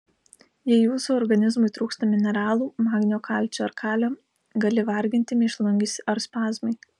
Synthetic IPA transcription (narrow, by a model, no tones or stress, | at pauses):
jɛɪjuːsuːɔɾɡɐnʲɪzmʊɪt̪ɾuːkst̪ɐmʲɪnʲɛɾɑːlˠuːmɑːɡʲnʲoːkɑˑlʲt͡ʃʲoɐɾkʰɑːlʲoː | ɡɐlʲɪʋɐɾʲɡʲɪnʲt̪ʲɪmʲɪʃlˠʊŋʲɡʲɪsʲɐɾspɑːzmɐɪ